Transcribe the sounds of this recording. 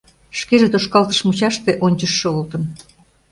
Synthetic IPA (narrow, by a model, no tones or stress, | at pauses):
ʃkeʒet̪oʃkɑlt̪ə̥ʃmut͡ɕɑʃt̪eʔonʲt͡ɕəʃːeolt̪ən